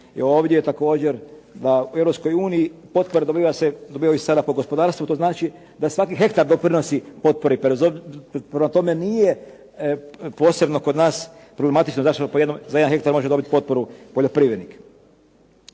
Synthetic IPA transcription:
eo̞ːʋd̪ʲjejet̪ako̞ːd͡ʒeɾd̪aueʋɾopsko̞juːniipo̞t̪̚po̞ɾed̪o̞biːʋased̪obiːʋajissad̪apoɡo̞spod̪aːɾst̪ʋut̪oːznaːt͡ʃi | d̪asʋakiɦe̞kt̪aɾd̪opɾino̞sipo̞t̪̚po̞ɾipezopɾemat̪o̞me̞nije̞ | po̞ːse̞bnoko̞d̪naːspɾoblemat̪it͡ʃnozaʃt̪opojed̪nomzajed̪nxe̞kt̪aɾmo̞ʒedo̞bit̪ʲpo̞t̪̚po̞ɾupo̞ʎo̞pɾiːʋɾed̪nik

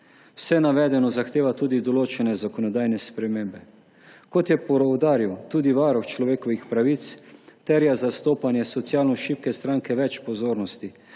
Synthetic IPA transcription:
w̥sɛnaʋɛːd̪ɛnɔzaxt̪eːʋat̪uːd̪id̪ɔloːt͡ʃɛnɛzakɔnɔd̪aːjnɛspɾɛmeːmbɛ | kɔt̪jɛpɔɾɔwd̪aːɾiwt̪uːd̪iʋaːɾɔxt͡ʃlɔʋeːkɔʋixpɾaʋit̪st̪ɛɾjazast̪oːpanjɛsɔt̪sjaːlnɔʃiːp̚kɛst̪ɾaːŋkɛʋɛt͡ʃpɔzoːɾnɔst̪i

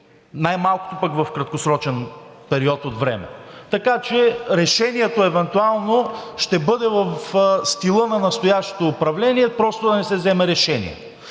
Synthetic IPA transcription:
najmalˠko̥t̪opɐkvɐfkɾɐt̪̚kosɾɔt͡ʃɛn | pɛɾiɔt̪od̪vɾɛ̰mɛ̰t̪ɐkat͡ʃɛɾɛʃɛniɛt̪oɛvɛnt̪ualˠnoʃt̪ɛbɤd̪ɛvɐfst̪ilˠɤnɐnɐst̪ojaʃt̪o̥t̪oːpɾɐvlɛniɛpɾɔst̪od̪ɐnɛsɛzɛmɛɾɛʃɛnḭɛ̰

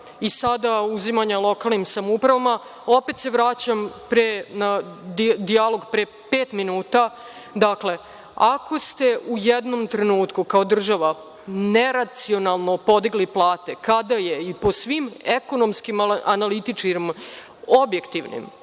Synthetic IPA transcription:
isad̪auzimaɲalˠo̞kaːlˠnimsamupɾaʋama | o̞pe̞t̪se̞ʋɾaːt͡ɕampɾena | d̪ialo̞ɡpɾe | peːt̪minuːt̪a | d̪akle̞ | akʰo̞st̪e̞ʔujed̪no̞mt̪ɾe̞nuːt̪kukao̞d̪r̩ʒaʋa | ne̞ɾat̪sio̞nalˠno̞po̞d̪iɡliplˠaːt̪e̞kad̪aje̞ipo̞sʋime̞ko̞no̞mskimanalit̪it͡ʃkim | o̞bje̞kt̪iʋnḭm

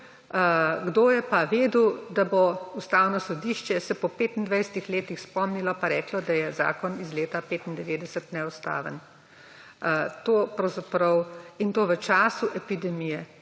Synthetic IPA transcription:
ɡd̪oːjɛpaʋeːd̪ud̪aboust̪awnɔsɔd̪iːʃt͡ʃɛsɛpɔpeːt̪ind̪ʋajsə̥t̪ixleːt̪ixspɔmnilɔpaɾɛːklɔd̪ajɛza̰ːkɔnizleːt̪apeːt̪ind̪ɛʋeːd̪ɛsət̪nɛust̪a̰ːʋə̰n | t̪oːpɾɐwzapɾɐwint̪oːʋət͡ʃaːsuʔɛpid̪ɛmijɛ

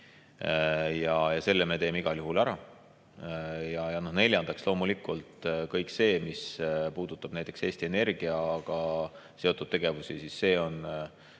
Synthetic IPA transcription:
jɑjɑse̞lːeme̞t̪e̞ːme̞iɡ̥ɑljuɦulæɾɑ | jɑjɑno̞hne̞lʲjɑnd̪̥ɑkslo̞ːmulikˑult̪kɤjkse̞ːmispuːd̪̥ut̪ːˑɑb̥næjt̪ːˑe̞kse̞ːst̪ie̞ne̞rɡ̥iɑɡ̥ɑ | se̞o̞t̪ːˑud̥̪̚t̪e̞ɡ̥e̞vusisisːe̞ːo̞n

